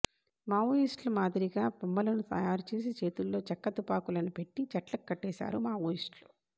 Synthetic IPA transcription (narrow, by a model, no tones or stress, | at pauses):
maːʋoːjisʈlɐmaːd̪iɾiɡaːpumːɐlɐnut̪ɐ̰jaːɾut͡ʃe̞ːs̬it͡ʃe̞ːt̪ulːo̞ːt͡ʃɐkːɐt̪upaːkulɐnupe̞ʈːit͡ʃɐʈlɐkːɐʈːɛːʃa̰ːɾumaːʋoːjisʈlu